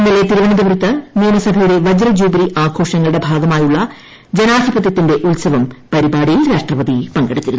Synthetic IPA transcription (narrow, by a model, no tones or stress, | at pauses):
inːilet̪iɾuʋɐɳid̪ɐʋrɨt̪ːɐniːɐmɐsɐbʱɐjuɽe̞ʋɐd͡ʑrɐd͡ʑuːbɐɾiʔaːɡʰʱo̞ːʂɐŋːɐɭuɽe̞bʱaːɡɐmaːjuɭːɐ | d͡ʑenaːd̪ʱibɐt̪̬jɐt̪ːinde̞ʔulsɐʋɐmpɐɾibaːɽijilɾaːʂʈrɐʋɐd̪ipɐŋɡeɽut̪ːiɾunː